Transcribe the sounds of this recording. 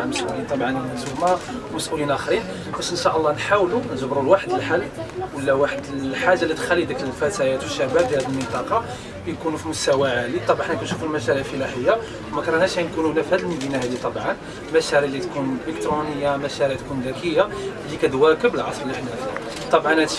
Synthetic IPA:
ʕaməsʔulint̪ˤɑbʕɑnzumɑwməsʔulinʔæxɾin | bæʃənʃaʔəlˤːɑnħawlunzəbɾulwaħəd̪əlħalːwəlːæwaħəd̪ħaʒːalːit̪xælːid̪ækləlfæt̪æjæt̪wəʃːæbæb̚d̪hæd̪əlmənt̪ˤɑqɑ | æjkunufimʊst̪æwaʕalit̪ˤɑbħnækænʃufulmæʃæɾiʕfəlæħəjːa | wmækɾˤɑnæʃænkununæfhæd̪lmmb̪inæɦæd̪it̪ˤɑbʕɑn | mæʃæɾiʕlːit̪kunləkt̪ɾunəjːamæʃæɾiʕt̪kund̪ækəjːalːikæd̪wækəbəlʕɑsˤɾələħnæ | t̪ˤɑbʕɑnæ

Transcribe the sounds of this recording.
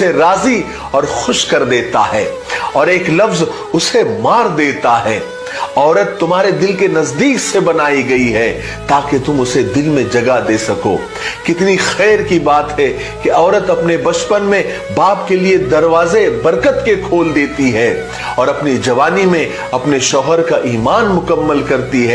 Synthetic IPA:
eɾaːzi | ɔːɾxʊʃkɐɾd̪eːt̪a̰ɦɛː | ɔːɾeːklɐfz | ʊsemaːɾd̪eːt̪aɦɛː | ɔːɾət̪ːʊmɦaːɾed̪ɪlkenɐzd̪iːksebɐnaːiɡɐiɦɛ | t̪aːket̪ʊmʊsed̪ɪlmẽd͡ʒɐɡad̪eːsɐko̰ː | kɪt̪nixɛːɾkibaːt̪ɦɛ | keɔːɾət̪ɐpnebɐt͡ʃpənmẽ | baːp̚kelied̪ɐɾʋaːzebɐɾkət̪kekʰoːld̪eːt̪iɦɛː | ɔːɾɐpnid͡ʒɐʋaːnimẽ | ɐpneʃɔːɦəɾkaʔiːmaːnmʊkəmːəlkɐɾt̪iɦɛː

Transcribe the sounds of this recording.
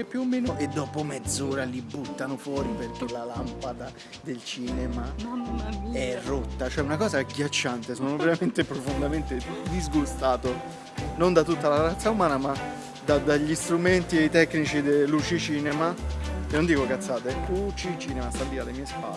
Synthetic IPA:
ɛpjuomːeːnoʔed̪ːɔːpomed̪zːoːɾalibːut̪ːanofwɔːɾiperk̟elalampad̪a | d̪elt͡ʃiːnɛma | ɛrːot̪ːat͡ʃoɛunakɔːzaɡjat͡ʃːant̪esoːnoveɾament̪epɾofond̪ament̪ed̪izɡust̪aːt̪o | nond̪at̪ut̪ːalarat̪sːaumaːnama | d̪ad̪aʎːist̪ɾument̪ieit̪ɛkːnit͡ʃid̪elːut͡ʃit͡ʃiːnemakenːond̪iːkokat̪sːaːt̪eɛlut͡ʃit͡ʃiːnemast̪alviːalːemiːespa̰lː

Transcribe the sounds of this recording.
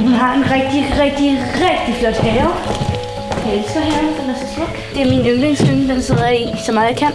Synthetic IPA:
hunɦɑ̈e̝nʁɛɡ̥̚d̥iʁɛɡ̥̚d̥iʁɛɡ̥̚d̥iflɒd̥hɛːɐ | el̰sɡ̥ɐɦɛːɐnd̥enæɐsɒslɔɡ̥d̥e̝æɐminønleŋsl̥ønəd̥ense̝ð̞̰ˠɐisɒ̽mɑ̈ðˠjɑ̈kʰæn̰

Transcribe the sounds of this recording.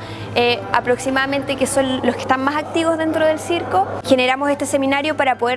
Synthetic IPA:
ea̰pɾo̞ksimaðame̞nt̪ekeso̞nloske̥ht̪anmasak̚t̪iβo̞zðe̞nt̪ɾoðe̞lsiɾko̞xe̞neɾamose̞st̪e̞se̞minaɾjo̞paɾapo̞ðe

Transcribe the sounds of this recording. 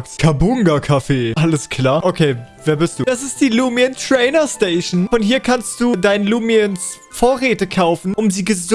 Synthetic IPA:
kskʰabʊŋɡakʰafeːʔaləskʰl̥aːɐʔokʰeːveːɐbɪst̚d̥uːd̥asɪst̚d̥iːluːmiəntʁ̥ɛɪnɐsteɪʃn̩fɔnhiːɐkʰanst̚d̥uːdaɪnəluːmiəns | foːɐʁeːtəkʰaʊfn̩ʔʊmziːɡəz

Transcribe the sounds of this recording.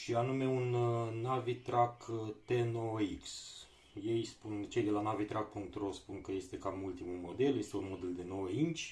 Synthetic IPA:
ʃianume̞unːavit̪ɾakt̪enoiks | je̞jspunt͡ʃe̞jd̪e̞lanavit̪ɾʔak̚puŋk̚t̪rospunkəje̞st̪e̞kamult̪imulmo̞d̪e̞lje̞st̪eunmo̞d̪e̞ld̪e̞no̞int͡ʃʲ

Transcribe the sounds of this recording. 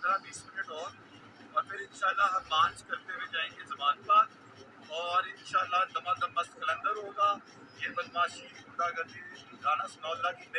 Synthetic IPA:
ɐd̪ɾãbiːsmɪnəʈɔːɾ | mɐt̪ʰɐɾɪnʃaːɪlːaɦbãːd͡ʒkɐɾt̪eʋed͡ʒaːẽŋɡezɐbaːnbaːd̪ | ɔːɾɪnʃaːlːat̪ɐʋãːt̪ɐmɐskɐlə̃nd̪əɾɦoːɡaː | ẽːbɐlmaːʃiːɾkʊd̪aːɡɐt̪iɡʱaːɽ̃ãsnɔːlːaːkime

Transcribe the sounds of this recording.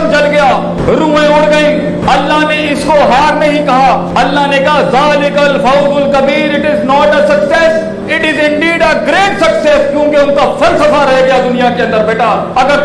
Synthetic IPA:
mt͡ʃɐlɡɐjaː | ɾũːɦẽʊɽɡɐĩː | ɐlːaɦneɪskoɦaːɾnɐɦĩkɐɦa | ɐlːaɦnekaɦzaːlɪkəlfaʊzʊlkɐbiːɾɪʈɪznɔːʈəsɐksɛs | ɪʈɪzɪ̃ɳɖiːɖəɡɾeːʈsɐksɛskjũːkeʊnkafɐlsɐfaɾɐɦeɡɐjad̪ʊnijakeɐ̃nd̪əɾbeːʈaː | ɐɡəɾ

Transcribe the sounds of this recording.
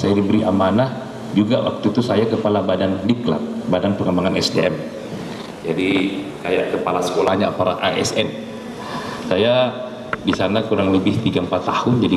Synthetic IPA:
sajadibəɾiʔamanah | d͡ʒuɡawa̰k̚t̪ut̪usajakəpalabadandikla̰t̪̚badanpəŋəmbaŋanɛsdḛɛm | d͡ʒadikajaʔkəpalasə̥kolahɲaa̰paɾaʔaɛ̰sɛ̰n | saja | disanakuɾaŋləbɪht̪iɡaəmpat̪ːahʊnd͡ʒadi

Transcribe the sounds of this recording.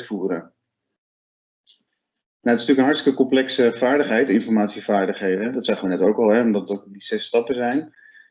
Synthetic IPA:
fuːɾən | naətɪ̥styːknɦɑɹtstə̥kəkɔmplɛksəv̥aːɹdəχɦɛjtɪnfɔɹmaːtsiv̥aːɹdəχɦejdəɛdɑtsaːχəʋənɛtowkɑlˠɦɛɔmdɑtɔkdiz̥ɛstɑpəzɛjn

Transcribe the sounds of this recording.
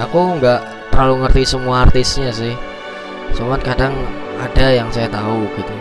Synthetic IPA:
akuŋɡaʔ | t̪əɾaluŋərt̪isəmuaːrt̪ɪsɲasɪh | sumat̪̚kadaŋ | adajaŋsajat̪auɡ̥it̪u

